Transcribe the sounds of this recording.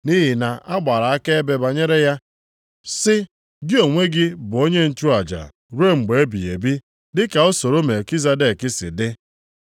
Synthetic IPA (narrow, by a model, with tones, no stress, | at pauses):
ni˦ɦi˨na˨a˦ɡ͡ba˨ɾa˨a˦ke˦e˦be˦ba˨ɲe˦ɾe˦ja˦ | sɪ˦ | dɪ˦o˨ŋʷe˦ɡɪ˦bʊ˨o˦ɲe˦n̩˨t͡ʃu˦a˨d͡ʒa̰˨ | ɾu˦e˦ŋ͡m̩˨ɡ͡be˨e˦bḭ˨ḛ˨bi˦ | dɪ˦ka˨o˦so˨ɾo˦me˨ki˦za˦de˨kɪ˦sɪ̰˨dɪ˦